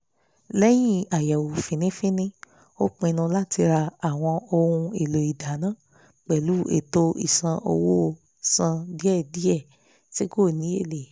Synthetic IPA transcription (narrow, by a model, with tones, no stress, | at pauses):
lɛ˦j̃ĩ˦a˨ja˨wu˨fĩ˨nĩ˦fĩ˦nĩ˦ | o˦k͡pẽ˧nũ˧la˦ti˧ɾa˧a˨w̃ɔ̃˧o˧hũ˧e˨lo˨i˨da˨˦nã˦ | k͡pɛ˨lu˨˦ḛ˨to˧ḭ˦˨sã˧ʔo̰˧wo˦˧ | sã˧di˨˦ɛ˦˨di˨˦ɛ˦˨ | ti˦ko˦˨nĩ˨˦e˦˨le˨